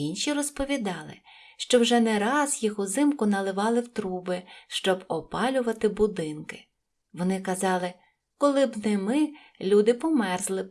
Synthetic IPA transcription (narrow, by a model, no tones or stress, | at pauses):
inʃʲirɔspɔʋʲid̪ɑlˠɪ̰ | ʃt͡ʃɔwʒɛnɛɾɑzjixʊzɪmkʊnɐlˠɪʋɑlˠɪwt̪ɾubɪʃt͡ʃɔbɔpɑlʲʊʋɐt̪ɪbʊd̪ɪnkɪ̥ | ʋɔnɪkɐzɑlˠɪ | kɔlˠɪbnɛmɪ | lʲud̪ɪpɔmɛrzlˠɪ